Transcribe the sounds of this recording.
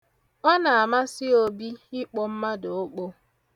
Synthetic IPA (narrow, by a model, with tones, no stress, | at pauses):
ɔ˦na˨a˨ma˦sɪ˦o˦bi˦ɪ˦k͡pɔ˦m̩˦ma˦do˨o˦k͡po˦